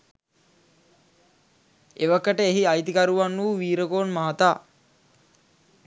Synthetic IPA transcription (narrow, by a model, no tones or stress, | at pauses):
eʋakːəʈəeɦiajt̪ikaɾuʋanːuuʋiːɾəkoːnmaɦat̪aː